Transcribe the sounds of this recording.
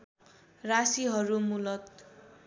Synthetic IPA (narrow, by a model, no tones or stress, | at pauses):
rasiɦʌɾumulʌt̪